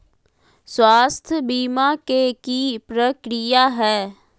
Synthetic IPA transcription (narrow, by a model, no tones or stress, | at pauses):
swaːst̪ʰəbiːmakekipɾəkɾijaɦɛː